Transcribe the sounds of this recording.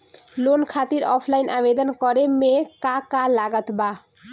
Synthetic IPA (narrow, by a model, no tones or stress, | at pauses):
lonkʰat̪iɾɔpʰlajnʔabed̪onkɔɾemekakalaɡat̪ba